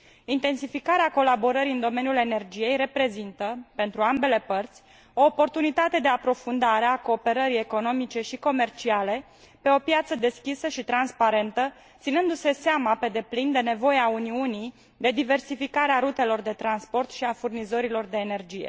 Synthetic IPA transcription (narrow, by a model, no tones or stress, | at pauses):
int̪e̞nsifikaɾeako̞labo̞ɾəɾiɨnd̪o̞menjule̞ne̞rd͡ʒije̞jre̞pɾe̞zint̪əpe̞nt̪ɾuambe̞le̞pərt̪sʲ | o̞ːpo̞rt̪unit̪at̪e̞d̪e̞apɾo̞fund̪aɾeako̞ːpe̞ɾəɾije̞ko̞no̞mit͡ʃe̞ʃiko̞me̞rt͡ʃiale̞ | pe̞o̞pjat̪səd̪e̞skʲisəʃit̪ɾanspaɾe̞nt̪ə | t̪sinɨnd̪use̞seamape̞d̪e̞plind̪e̞ne̞vo̞jeauniunij | d̪e̞d̪ive̞rsifikaɾeaɾut̪e̞lo̞rd̪e̞t̪ɾanspo̞rt̪ʃiafurnizo̞ɾilo̞rd̪e̞ːne̞rd͡ʒije̞̰